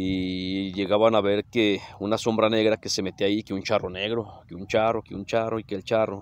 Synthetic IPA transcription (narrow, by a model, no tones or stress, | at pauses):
iʝeɣaβanaβeɾkeunaso̞mbɾane̞ɣɾakesemet̪iaikeunt͡ʃaroneɣɾokeunt͡ʃarokeunt͡ʃaroikelt͡ʃaro